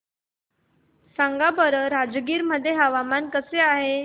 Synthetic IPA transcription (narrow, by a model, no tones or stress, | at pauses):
saŋɡabəɾəɾad͡zɡiːɾməd̪ʱjeɦaʋamankəseaɦe